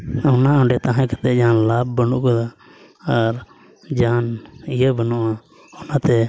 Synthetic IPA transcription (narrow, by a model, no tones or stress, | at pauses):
ɔnaɔ̃ɳɖɛt̪aɦãkat̪ɛd͡ʒaːnlaːbːənṵʔkɔd̪aː | ɾ | d͡ʒaːnijəbənɔʔa | ɔnat̪ɛ